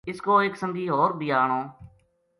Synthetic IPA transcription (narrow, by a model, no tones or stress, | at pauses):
ɪskoːɪksəŋɡiːɦoːɾbʱiːaːɳoː